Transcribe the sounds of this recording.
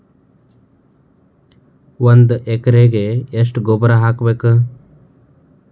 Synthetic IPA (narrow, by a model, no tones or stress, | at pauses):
ʋɐnd̪ekɾeːɡeesʈɡobɾaɦakbeːkɨ